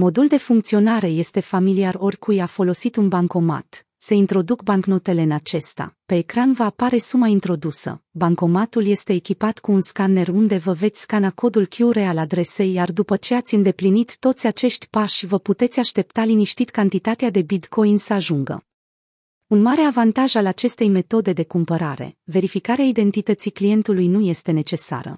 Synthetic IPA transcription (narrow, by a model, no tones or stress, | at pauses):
mo̞d̪uld̪e̞fuŋk̚t̪sio̞naɾe̞je̞st̪e̞familiaro̞rʲkʰujafo̞lo̞sit̪unbaŋko̞ma̰t̪ | se̞int̪ɾo̞d̪ukbaŋknot̪e̞le̞ɨnat͡ʃe̞st̪a̰pe̞ːkɾanvəapaɾe̞sumaint̪ɾo̞d̪usə̰baŋko̞mat̪ulje̞st̪e̞ːkʲipat̪kuːnskane̞rund̪e̞vəve̞t̪sʲkanako̞d̪ulkʲjuɾe̞alad̪ɾe̞se̞jːard̪upət͡ʃe̞at̪sʲɨnd̪e̞plinit̪ːo̞t̪sʲat͡ʃe̞ʃt̪ʲpaʃʲvəput̪e̞t̪sʲaʃt̪e̞p̚t̪aliniʃt̪it̪kant̪it̪at̪ead̪e̞bit̪ko̞jnsəaʒuŋɡə̰ | unmaɾe̞avant̪aʒalat͡ʃe̞st̪e̞jme̞t̪o̞d̪e̞d̪e̞kumpəɾaɾe̞̰ve̞ɾifikaɾeaid̪e̞nt̪it̪ət̪siklije̞nt̪ulujnuje̞st̪e̞ne̞t͡ʃe̞sa̰ɾə̰